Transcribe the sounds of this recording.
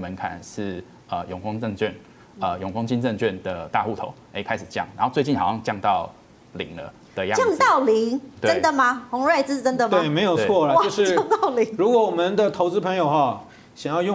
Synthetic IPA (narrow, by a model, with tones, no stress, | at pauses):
mə˧˦nkʰa̰˨˩nʂɻ̩˥˩ | ə˩jʊ˨˩ŋkɑ˥ŋt͡sə˥˧ŋt͡ɕɥɛ˥˩n | ə˩jʊ˨˩ŋfɑ˥ŋt͡ɕi˥nt͡sə˥˧ŋt͡ɕɥɛ˥˨nd̪ə˩t̪a˥˧xu˥˩t̪ʰo̰˨˦ʊe˧˥kʰa˥ɪʂɻ̩˨˩t͡ɕjɑ̰˥˩ŋna˨˧˦xo˥˧ʊt͡swe˥˧ɪt͡ɕi˥˩nxɑ˨˩ʊjɑ˥˧ŋt͡ɕjɑ˥˧ŋt̪ɑ˥˨˩ʊ | lḭ˨˩˦ŋlə̰˦ | d̪̥ə˨ja̰˥˧ɑ˥˧ŋɑ˥˨ʊli˧˥ŋt̪weə˦˧nd̪ə˨ma˨xʊ˧˥ŋɻe˥˩ɪt͡s̩˥˩˨ʈ͡ʂə˦˥nd̪ə˨mt̪e˧˨˩me˧ɪjo˨˩ʊet͡sʰwɔ˥˩ə˨t͡ɕʂɻ̩˥˩˥ŋt̪ɑ˥˩ʊli˨˦ŋɻu˧˥kwɔ˧˦wɔ˨˩mə˦nd̪ə˨t̪ʰo˧˥ʊt͡sɹ̩˥pʰə˧˥ŋjo˨ʊxwa˥˩ | ɕjɑ˨˩ŋjɑ˥˧ʊjʊ˥˨